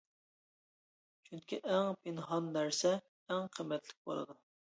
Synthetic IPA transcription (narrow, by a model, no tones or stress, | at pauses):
t͡ʃʰyŋkʲiʔɛŋpʰenɦɑnːæɾsɛ | æŋqʰəmːɛt̪ʰlɪk̚ʲbo̰lˠɨ̰d̪u